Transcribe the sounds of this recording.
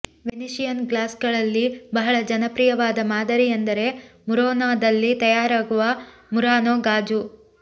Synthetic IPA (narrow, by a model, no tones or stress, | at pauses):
ʋeniʃijɐnɡlaːsɡɐɭɐlːibɐɦɐɭɐd͡ʒɐnɐpɾijɐʋaːd̪ɐmaːd̪ɐɾijɐnd̪ɐɾe̞muɾoːnaːd̪ɐlːit̪ɐjaːɾaːɡuʋɐ | muɾaːnoːɡaːd͡ʒu